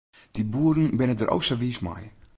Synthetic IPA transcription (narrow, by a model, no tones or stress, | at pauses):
d̥ibuəɾən̩bɪnədəʔo̰wsəʋiːsma̰j